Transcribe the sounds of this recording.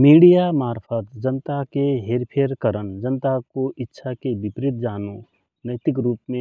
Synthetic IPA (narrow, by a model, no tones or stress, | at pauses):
miːɽijamaːɾpʰət̪d͡ʒənt̪akeɦeːɾpʰeəɾkəɾənd͡ʒənt̪akoʔɪtːʃʰakebɪpɾɪt̪̚d͡ʒaːnõ | nəɪt̪ɪkɾuːpmẽ